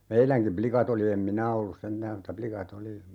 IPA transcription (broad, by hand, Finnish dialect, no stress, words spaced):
meilæŋkim plikɑt oli em minæ olːus sentæːm mutːɑ plikɑt oli